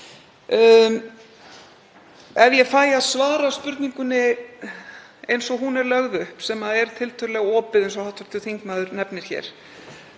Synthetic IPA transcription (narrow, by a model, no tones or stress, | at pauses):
ɛvjɛfaːjaðsvaːɾaspʏɾt̪niŋkʏnɪ | ejnsɔɦunɛɾlœɣðʏhpsɛmaðɛɾ̥t̪ʰɪlt̪ʰœɾlɛɣɔːpɪðejnsɔhawht̪vḁɾ̥t̪ʰɪlθiŋknaðʏɾnɛpnɪɾ̥çɛ̰ɾ̥